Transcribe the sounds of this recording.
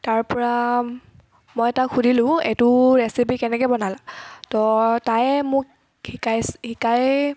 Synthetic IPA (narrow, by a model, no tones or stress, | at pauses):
taɹpɔɹa | mɔjɛtaxʰudʱilʊ̃ḛtʊɹɛsipikɛnɛkɔjbɔnalatɔtajmʊk | hikajshikaj